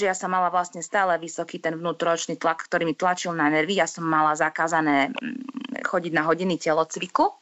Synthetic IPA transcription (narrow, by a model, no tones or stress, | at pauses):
ʒɛjasɔmːalaʋlast̪ɲɛst̪aːlɛʋisɔkiːt̪ɛnvnuːt̪ɾɔt͡ʃniːt̪lakːt̪ɔɾiːmit̪lat͡ʃilˠnanɛɾʋijasɔmːalazakaːzanɛː | xɔɟiɟnaɦɔɟinicɛlɔt͡sʋiku